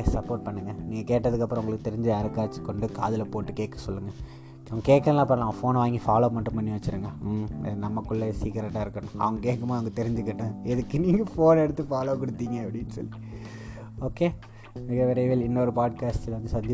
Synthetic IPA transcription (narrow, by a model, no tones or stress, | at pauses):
sɐpːoːɾʈ̚pɐɳːɯŋɡɐniːŋɡɐkeːʈːɐðɯkːɐpːɾɐ̃ʊŋɡɐɭɯkːɯt̪ɛɾɪɲd͡ʒɯɐɾɯkːaːt͡ʃːɯ̥kːɔɳɖɯka̰ːðɪlɐpoːʈːɯkeːkːɐ̥sɔlːɯŋɡɐ | ɐʋŋɡɐkeːkɐɾɐ̃lãːpɐɽɐlaːɐfoːnʋaːŋɡifaːloːmɐʈːɯmpɐɳːiʋɐt͡ʃːɯɾɯŋɡɐnɐmːɐkːʊɭːɐsiːkɐɾɐʈːaːɪɾɯkːɐnʊ̃ɐ̰ʋɐŋɡɐkeːkːɐmaːɐʋɐŋɡɐt̪ɛɾɪɲd͡ʒɯkeʈːɐ̃ɛðɯkːɯniːŋɡɐfoːnɛɽɯt̪ːɯfaːloːkɔɽɯt̪ːiːŋɡɐɐpːɐɽɪnːɯsɔ̰lːi | oːke | mɪɣɐʋɛɾɐʋeːlɪnːɐɔɾɯpaːɖ̚kaːsʈɪlʋɐnd̪ɯsɐnd̪ɪ